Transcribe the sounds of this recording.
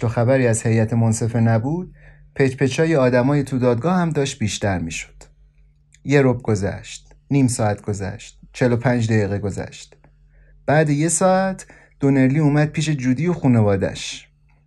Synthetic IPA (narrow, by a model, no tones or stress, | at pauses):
t̪oxæbæɾiːæz̥he̞jæt̪ʰemonse̞fe̞næbuːd̪̥̚ | pʰet͡ʃpʰe̞t͡ʃʰɒːjeɒːd̪æmɒːjet̪ʰud̪ɒːd̪̚ɡɒːhæmd̪ɒːʃt̪̚biːʃt̪æɾmiːʃo̥d̪̥ | je̞ɾob̚ɡ̥o̞zæ̰ʃt̪̚ | niːmsɒːæt̪̚ɡ̥o̞zæ̰ʃt̪̚t͡ʃʰe̞lo̞pʰænd͡ʒd̪æɣiːɣeɡo̞zæ̰ʃt̪ | b̥æːd̪eje̞sɒːæt̪ʰ | d̪̥o̞ne̞ɾliːuːmæd̪̥̚pʰiːʃ̬e̞d͡ʒuːd̪ijoxuːne̞vɒːd̪æ̰ʃ